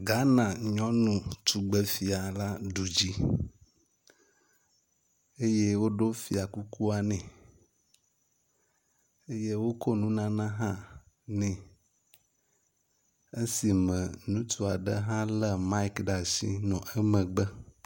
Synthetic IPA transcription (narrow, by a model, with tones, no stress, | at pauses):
ɡa˦nã˨ɲɔ̃˦nũ˨t̪u˨ɡ͡bɛ˨fi˨a˨la˦ɖu˨d͡ʑi˦ | e˦je˦wo˦ɖo˦fi˨a˨ku˦ku˦a˨nɛ̃˨ | e˦je˦wo˦ko˦nũ˦nã˦nã˦ɦã˦ | nɛ̃˨ | e˦si˨mɛ̃˨nũ˦t̪ʰu˦a˨ɖə˦ɦã˦lə˦ma˦i˦kɖa˨sḭ˦nɔ̃˨ʔɛ˦mə̃˨ɡ͡bə˦